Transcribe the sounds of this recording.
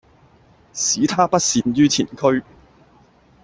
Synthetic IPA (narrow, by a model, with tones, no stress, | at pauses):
siː˨˥t̪ʰaː˥pɐ˥t̚siː˨njyː˥t͡sʰḭː˨˩nkʰɵ˥ɥ